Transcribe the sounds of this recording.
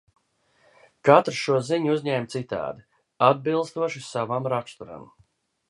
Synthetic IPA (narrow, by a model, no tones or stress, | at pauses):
kat̪ɾʃuɔziɲuzʲɲɛːmt̪sit̪a̰ːd̪i | ad̪̚bilˠst̪uɔʃisavamɾakst̪uɾa̰m